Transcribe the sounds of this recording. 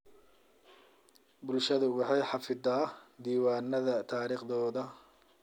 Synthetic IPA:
bʊlʃɐðɐwɑħɑjħɑfɪd̪aːd̪iːwaːnːɐðɐt̪ʰaːɾiːχðɔːðɐ

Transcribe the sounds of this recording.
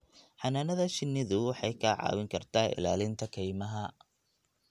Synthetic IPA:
ħɑnaːnɐðɐʃɪnːɪðʊwɑħɑjkʰɐʕɑ̰ːwɪŋkʰɐrt̪ʰaːɪ̰la̰ːlɪnt̪ʰɐkʰɛjmɐɦɐ

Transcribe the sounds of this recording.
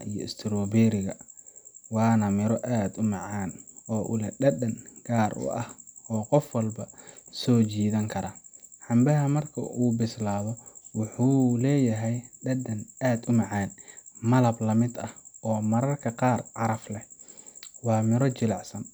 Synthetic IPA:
ijɔ̰ɪst̪ʰɪɾɔːbɛːɾɪɣɐ | wɑːnɐmɪɾɔʔaːd̪ʊmɑʕaːnɔːʔʊlɛɖɐdɐnɡ̥aːrʊ̰ʔɐhɔːqɔfwɐlbɐsɔːt͡ʃiːðɐŋkʰɐɾɐħɑmbɐɦɐmɐrkʰɐ̰ʔuːbɪslaːðɔwʊħuːlɛːjɐɦɛjɖɐdɐnaːd̪ʊmɑʕɑːnmɐlɐblɐmɪd̪ɐhʔɔːmɐɾɐrkʰɐqɑːrʕɑɾɐflɛ | wɑːmɪɾɔt͡ʃɪlɑʕsɐn

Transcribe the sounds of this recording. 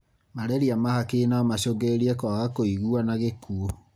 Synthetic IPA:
maɾɛɾiamahakeːnaɔmaɕoɡeɾiɛkɔaɣakoiɣuanaɣekuo

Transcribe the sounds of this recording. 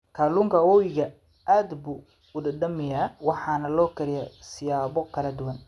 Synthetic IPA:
kʰaːluːŋkʰɐwɔjɪɣɐ | ʔaːd̪buː | ʊdɐdɖɐmɪjaːwɑħɑːnɐlɔːkʰɐɾɪjɐsɪjaːβɔkʰɐlɐd̪ʊwɐn

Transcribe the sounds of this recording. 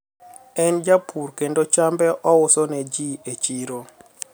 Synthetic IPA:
ɛnd͡ʒapʰuɾkendot͡ʃambɛʔɔwʊsɔnɛd͡ʒiet͡ʃiɾo

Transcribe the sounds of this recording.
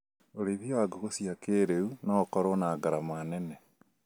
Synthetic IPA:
oɾeβjoaɡoɣosiakeːɾeunakɔɾonaːɡaɾamanɛnɛ

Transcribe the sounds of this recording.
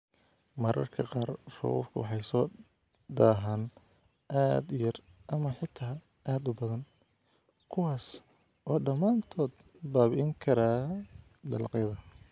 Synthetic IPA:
mɐɾɐ̰rkʰɐqɑːrrɔ̰ɔ̰fkʰʊwɑħɑjsɔː | d̪aːɦaːn | ʔaːd̪jɐrʔɐmɐħɪt̪ʰaː | ʔaːd̪ʊbɐðɐn | kʰʊwaːs | ʔɔːɖɐmaːnt̪ʰɔːd̪ | baːβɪʔɪŋkʰɐɾaː | d̪ɐlqjɐðɐ

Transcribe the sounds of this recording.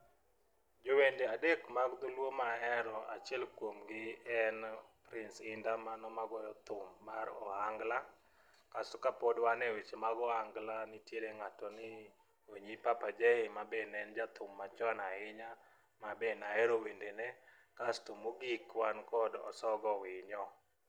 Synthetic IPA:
d͡ʒowendeadekmaɡd̪ʊlwomaɛɾɔa̰t͡ʃɛlkwomɡɪɛnpɾɪnsɪndamanɔmaɡɔjɔt̪ʊmːaɾɔ̰haŋɡla | kastɔkapodwanɛwet͡ʃemaɡɔhaŋɡlanɪtjeɾeŋatɔnɪ | oɲipapad͡ʒehɪmabenɛnd͡ʒat̪ʰʊmːat͡ʃɔnaɪɲa | mabenaɛɾowendenɛ | kastomoɡikwankɔdɔ̰sɔɡɔwɪɲɔ

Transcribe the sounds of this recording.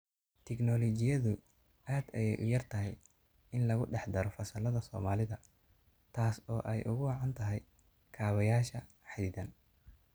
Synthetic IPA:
t̪ʰɪɡnɔːlɔt͡ʃɪjɐðʊ | ʔaːd̪ɐjɛjʔʊjɐrt̪ʰɐɦɛj | ɪnlɐɣʊɖɛħd̪ɐɾɔfɐsɐlɐðɐsɔːmaːlɪðɐ | t̪ʰaːsɔːʔɛjʔʊ̰ɣʊwɑʕɑnt̪ʰɐɦɛj | kʰaːβɐjaːʃɐ | ħɑd̪iðɐn

